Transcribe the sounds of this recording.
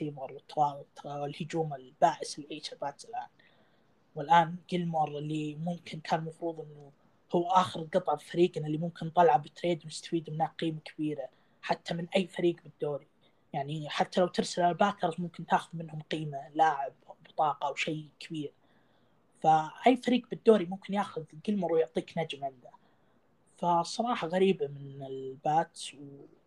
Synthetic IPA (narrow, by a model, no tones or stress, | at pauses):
siːmɑɾˤwɪt̪ːɑwɑːbʊt̪ˤwɪlhʊd͡ʒuːmɪlbaːʔɪsɪlʕiːʃɪlbaːt̪zɪlʔaːn | wɪlʔaːnɡɪlmɑɾˤɪlːimʊmkɪnkʰaːnmɑfɾuːðˤʔɪnːʊ | hʊwːʔaːxɪɾɡɑt̪ˤʕɑbfaɾiːɡnalːimʊmkɪnt̪ˤɑlʕabɪt̪ːɾeːd̪wnɪst̪ḁfiːd̪mɪnaːqiːmakʰḁbiːɾa | ħat̪ʰːamɪnʔajːfaɾiːɡbɪd̪ːoːɾi | jaʕniħat̪ːalawt̪ɪɾsalʕalalbaːt̪ɑɾˤzmʊmkɪnt̪aːxʊðmɪnhʊmqiːmalaːʕɪbbɨt̪ˤɑːqɑwʃejkʰabiːɾ | faʔajːfaɾiːɡbɪd̪ːoːɾimʊmkɪnjaːxʊðɡɪlmɑɾˤujʊʕt̪ˤiːknad͡ʒmʕɪnd̪a | fasˤːɑɾˤɑːħɑɣaɾiːbamɪnɪlbaːt̪w